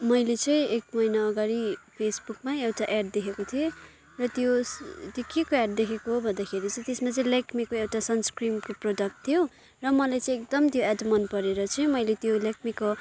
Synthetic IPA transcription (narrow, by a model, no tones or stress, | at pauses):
mʌjlet͡sʌĩekmʌjnaʌɡaɾipʰesbukmaewʈaʔeɖd̪ekʰekot̪ʰie | rʌt̪jot̪jokekoeɖ̚d̪ekʰekoɦobʱʌnd̪akʰeɾit͡sʌĩt̪esmãt͡sʌĩlakʰmikoewʈasʌnskrimkoprodʌk̚ʈt̪ʰijo | rʌmʌlajt͡sʌ̃ĩekd̪ʌmt̪joadmʌnpʌɾeɾʌt͡sʌĩmʌjlet̪jolakʰmiko